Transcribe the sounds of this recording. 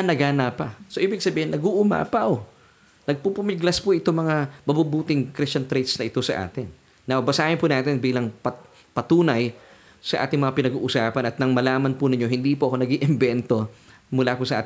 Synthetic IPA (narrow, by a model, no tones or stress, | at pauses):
nɐɡaːnapɐsoʔiːbɪɡ̚sɐbiːhɪnːɐɡuʔʊma̰ːpɐʔo | nɐɡ̚pupʊmɪɡlɐspʊʔɪt̪omɐŋabɐbubuːt̪ɪŋkɾɪst͡ʃɐnt̪ɾɛjt̪snɐʔɪt̪o̞sɐ̰ʔa̰ːt̪ɪnː | awbɐsaːhɪnpʊnaːt̪ɪnbiːlɐŋpɐ | pɐt̪uːnɐj | sɐʔa̰ːt̪ɪŋmɐŋapɪnɐɡṵːʔʊsaːpɐnɐt̪̚nɐŋmɐlaːmɐnpʊnɪɲo̞ɦɪnd̪iːpoʔɐko̞nɐɡiʔɪmbɛnt̪o̞ | mʊlaːpʊsɐʔa̰ːt̪